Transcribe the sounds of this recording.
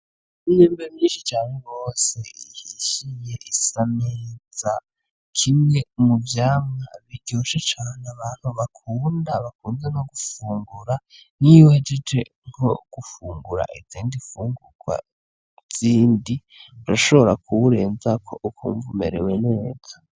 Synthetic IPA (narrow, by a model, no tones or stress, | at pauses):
iɲeːmbemɲiːnʃit͡ʃaːnuɡo̞se̞ihiʃije̞ʔisameːz̥a | kʰimŋe̞muvjaːmŋaβiɟoʃet͡ʃaːneaβaːn̥huβakʰuːndaβakuːnzeno̞ɡufuːŋɡuɾaniwed͡ʒed͡ʒe | ŋho̞̰ɡ̥ufuːŋɡuɾa̰ʔid͡ziːndifuːŋɡuɡ̥wa̰ | z̥iːndi | uɾaʃo̞βoɾakʰuβuɾe̞ːnzakʰo̞ʔukʰṵːɱvumḛɾḛwene̞ːza